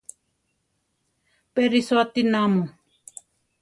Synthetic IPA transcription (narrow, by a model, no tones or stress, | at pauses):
peɾisoat̪inamu